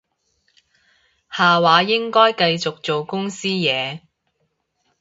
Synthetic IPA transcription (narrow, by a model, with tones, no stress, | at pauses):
haː˨waː˨˧jɪ˥ŋkɔː˥jkɐ˧jt͡sʊ˨k̚t͡so˨wkʊ˥ŋsiː˥jɛː˨˧